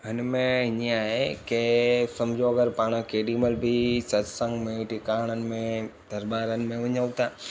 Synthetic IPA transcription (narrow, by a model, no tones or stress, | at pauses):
ɦɪnmẽɦɪɲiaːɦekesɐmd͡ʑʱoɐɡəɾpaːɽ̃əkeːɖiːməlbʱisɐt̪sə̃ŋɡmẽʈɪkaːɽ̃ənɪ̆mẽd̪̥ʱɐɾbaːɾənɪ̆mẽʋɐɲəʋt̪aː